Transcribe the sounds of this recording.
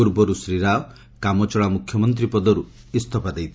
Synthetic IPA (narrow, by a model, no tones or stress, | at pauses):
uɾbɔɾusɾiɾa | kamɔt͡ʃɔɭamukʰjɔmɔnt̪ɾipɔd̪ɔɾu | ist̪ʰɔpad̪ejt̪ʰi